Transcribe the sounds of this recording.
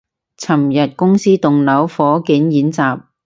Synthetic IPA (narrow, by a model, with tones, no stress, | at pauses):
t͡sʰɐ˨˩mjɐ˨t̚kʊ˥ŋsiː˥t̪ʊ˨ŋnɐ˨˥wfɔː˨˥kiː˨˥njiː˨˥nt͡saː˨˩p̚